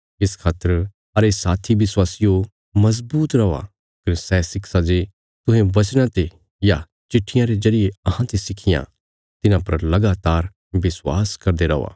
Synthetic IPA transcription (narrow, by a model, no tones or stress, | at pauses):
ɪskʰaːt̪əɾ | ɦɐɾesaːt̪ʰiʋɪswaːsɪjo | mɐzbuːt̪ɾɐa̰ | kɐɾsɛːsɪksad͡ʒe | t̪ʊ̃ɦẽʋɐt͡ʃñãt̪e | ja | t͡ʃɪʈʰːɪjãɾezɐɾijeɐɦãt̪esɪkʰɪjã̰ | t̪ɪnãpɐɾlɐɡaːt̪aːɾ | ʋɪswaːskɐɾd̪eɾɐʋa̰ː